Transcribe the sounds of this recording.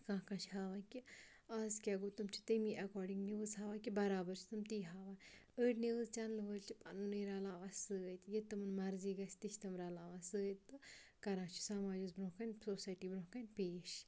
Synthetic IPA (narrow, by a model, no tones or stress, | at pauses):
kãːkat͡ʃʰɦaːʋaːnki | aːzkʲaɡot̪umt͡ʃʰi̥t̪əmiʔɐkɔːɾɖiŋɡniʋɨzhaːʋakibɐɾaːbɐɾt͡ʃʰi̥t̪ɨmt̪iːɦaːʋanəːʈneʋɨzt͡ʃanlɨʋəlʲt͡ʃʰipa̰nunijɾaːlaːʋasɨəjt̪jet̪ɐmɨnmɐɾziːɡɐsʲt̪iʃʰʲt̪ɐmɾaːlaːʋasɨət̪ːɨkɐɾãːt͡ʃʰu̥sɐmaːd͡ʒuzbɾõːkɐnʲsoːsaːjʈiːbɾõkanʲpeːʃ